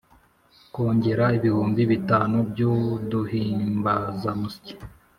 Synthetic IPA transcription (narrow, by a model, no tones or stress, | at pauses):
koːɲɟe̞ɾaiβihuːmbiβitaːnubjuduhiːmbazamusi̥ci̥